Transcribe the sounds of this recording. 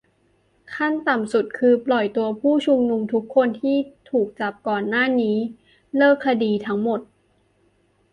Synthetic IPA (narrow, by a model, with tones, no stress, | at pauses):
kʰa˥˩nt̪a˨˩msu˨˩t̪̚kʰɯː˧plɔ˨˩jt̪u˧ɐpʰuː˥˩t͡ɕʰu˧ŋnu˧mt̪ʰu˦˥kʰːo˧nt̪ʰiː˥˩t̪ʰuː˨˩k̚t͡ɕa˨˩p̚kɔː˨˩nːaː˥˩niː˦˥ | lɤː˥˩kʰːa˧diː˧t̪ʰa˦˥ŋmo˨˩t̪̚